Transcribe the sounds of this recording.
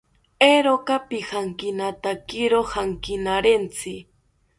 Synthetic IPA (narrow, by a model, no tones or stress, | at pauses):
eɾokapɪhaŋkɪnat̪akɪɾohaŋkɪnaɾent͡sɪ